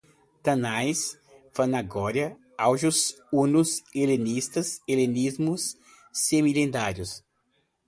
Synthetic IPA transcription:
t̪ɐnajs | fɐnaɡɔɾjɐ | awʒus | unuselenist̪ɐselenizmʊsː | emilẽnd̪aɾjʊs

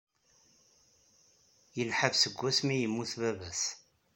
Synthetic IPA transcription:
jəlħəvsəɡʷːæsmijəmːuθvævæs

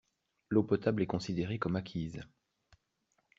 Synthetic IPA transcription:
lopɔt̪ablɛkɔ̃sid̪eʁekɔmakʲʰiz

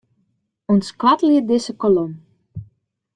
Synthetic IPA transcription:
ɔnskɑtlɪəd̪esəkɔlɔm

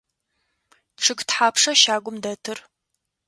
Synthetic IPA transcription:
ʈ͡ʂʰɨɡtħaːpʰʂɐʃaːɡʷʊmdɐtʰɨr

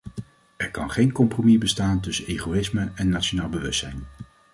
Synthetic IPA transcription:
ɛɹkɑ̰nχejnkɔmpromibəstaːntɵsənejχoɪsməɛnːat͡ʃonaːlˠbəʋɵstsɛjn

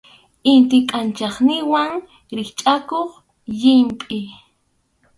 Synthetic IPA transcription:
ɪnt̪ɪkʼant͡ʃɑχnɪwaŋ | ɾɪχt͡ʃʼakoχ | ʎɪmpʼɪ

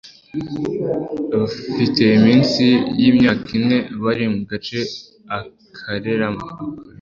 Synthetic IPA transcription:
βafite̞imiːnsijiːmɲaːkʰine̞βaɾimuɡat͡ʃe̞ | a | kʰaɾe̞ɾamaaka

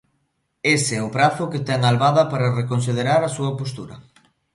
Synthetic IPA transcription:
eseɛʊpɾaθʊket̪ɛŋalβaðɐpaɾarekons̬ið̞eɾaɾasuɐpos̬t̪uɾɐ

